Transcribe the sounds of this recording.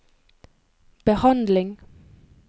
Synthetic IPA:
b̥əhɑnd̪lɪŋ

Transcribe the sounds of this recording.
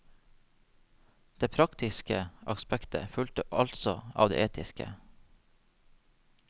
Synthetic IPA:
d̪̥eːpʰɾɑkt̪ɪskəʔɑkspækt̪ʰə̰fʉlt̪əʔɑlt̪sɔɑ̰ːʋd̪ḛːʔeːt̪ʰɪskə̰

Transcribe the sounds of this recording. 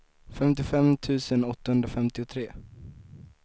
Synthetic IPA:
fɛmt̪ɪfɛmt̪ʰʉ̟ːsənɔt̪ːahɵnd̪ɾafɛmt̪ɪʊt̪ʰɾeː

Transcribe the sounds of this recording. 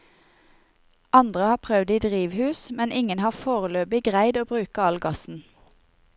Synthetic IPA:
ɑnd̪ʁəhɑːpʰʁœʋd̪iːd̪ʁiːʋhʉːsmɛnʔɪŋənhɑːfoːʁəløːbɪɡʁæɪd̪oːbʁʉːkəɑlɡɑsn̩

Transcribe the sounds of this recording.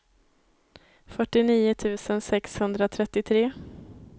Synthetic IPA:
fœʈːɪniːʊt̪ʰʉ̟ːsənsɛkshɵnd̪ɾat̪ʰɾɛt̪ːɪt̪ʰɾeː

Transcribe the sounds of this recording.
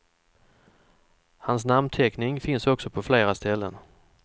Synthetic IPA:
hans̬namnt̪ʰɛknɪŋfɪnsɔksɔpʰɔfleːɾast̪ɛlːə̰n

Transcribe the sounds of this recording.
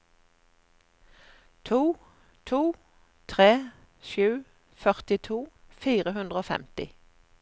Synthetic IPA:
t̪ʰuː | t̪ʰuː | t̪ʰʁeː | ʃʉː | fœʁt̪ɪt̪ʰuː | fiːʁəhʉnd̪ʁəoːfɛ̰mt̪ɪ

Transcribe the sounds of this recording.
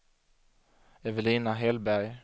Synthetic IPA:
ɛvəliːnaɦɛlbæɾj

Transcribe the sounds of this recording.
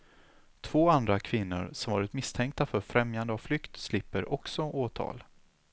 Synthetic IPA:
t̪ʰv̥oːand̪ɾakʰvɪnːʊ̰ɾsɔmvɑːɾɪt̪mɪst̪ʰɛŋk̚t̪afœɾfɾɛmjand̪əavflʏkt̪slɪpːəɾʔɔksɔʔoːt̪ʰɑ̰ːl

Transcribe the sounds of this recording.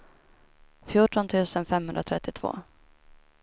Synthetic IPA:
fjuːʈɔnt̪ʰʉ̟ːsənfɛmɦɵnd̪ɾat̪ʰɾɛt̪ːɪt̪ʰv̥o̰ː

